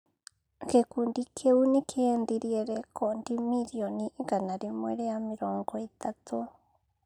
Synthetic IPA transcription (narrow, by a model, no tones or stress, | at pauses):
kekundikʰeunikʰend̪iɾieɾekʰond̪imiɾionikanaɾimwḛɾeamiɾoŋkoit̪at̪u